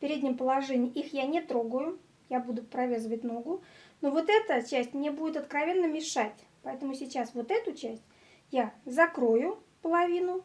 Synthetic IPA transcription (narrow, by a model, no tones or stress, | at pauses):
pʲɪɾʲedʲnʲɪmpəlˠɐʐɛnʲɪːʔixjanʲɪt̪ɾoɡəjʊ | jabud̪ʊpɾɐvʲezəvətʲno̞ɡʊnovo̞t̪ɛt̪ət͡ɕæsʲtʲmnʲebudʲɪt̪ɐət̪kɾɐvʲe̞nːəmʲɪʂatʲ | pɐɛt̪əmʊsʲɪt͡ɕasvo̞t̪ɛt̪ʊt͡ɕæsʲtʲ | jazɐkɾo̞jʊ | pəlˠɐvʲinʊ